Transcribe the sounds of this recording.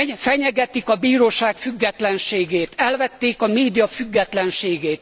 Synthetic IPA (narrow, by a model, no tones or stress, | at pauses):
fɛɲɛɡɛt̪ikɒbiːɾoːʃaːkfyɡːɛt̪lɛnʃeːɡeːt̪ɛlvɛt̪ːeːkɒmeːd̪ijɒfyɡːɛt̪lɛnʃeːɡeːt̪